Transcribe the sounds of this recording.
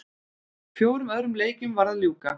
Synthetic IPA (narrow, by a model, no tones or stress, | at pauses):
fjoːwɾʏmœðɾʏmleːjcʏmvaɾðaljuːka